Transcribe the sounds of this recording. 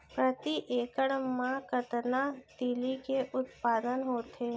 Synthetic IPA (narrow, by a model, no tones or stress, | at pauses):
pɾət̪iʔekəɽmãkət̪nat̪ilikeʔʊt̪pad̪ənɦot̪ʰe